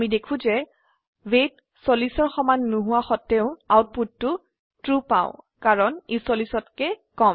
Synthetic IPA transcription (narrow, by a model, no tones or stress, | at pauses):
amidekʰũzɛ | wet | solisɔɹxɔmanːuɦʊwaxɔtːɛʊ̃awt̚puttʊ | tɹupã̰ʊ̃ | kaɹɔnesolisɔtkɛkɔm